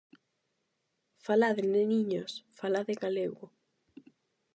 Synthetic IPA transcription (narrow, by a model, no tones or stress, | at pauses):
falaðeneniɲosfalaðeɣaleɣʊ